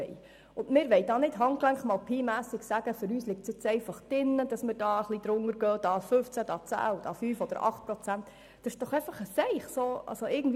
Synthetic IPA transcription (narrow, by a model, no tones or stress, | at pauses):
ɛ̰ɪ | ʊndmɪːɾʋɛɪd̥ɑːnɪd̥ɦɑŋklæŋχmɑːlpʰiːmæːsɪɡsæɡ̥əfʏɾyːslɪk̚tsɪt͡sɛɪfɑχd̥ɪnːəd̥ɑsməɾd̥ɑːəχlid̪ɾʊŋəɾɡ̥œːd̥ɑːfɵft͡sæd̥ɑːt͡sæ̰ːd̥ɑ̰ːfyːfɔd̥̪ə̰ɾɑ̰χt̚pɾɔt͡sænt̪ | d̥ɑʃd̥ɔχɛɪfɑχəsɛɪχsoːʔɑ̰soɪɡən̩d